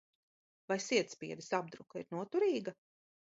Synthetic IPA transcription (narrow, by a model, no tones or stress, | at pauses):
vajsiɛt̪spʲiɛd̪ɪsab̚d̪ɾukaiɾnuɔt̪uɾiːɡa